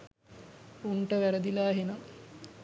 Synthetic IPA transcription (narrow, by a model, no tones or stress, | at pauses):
uɳʈəʋæɾəd̪ilaːɦena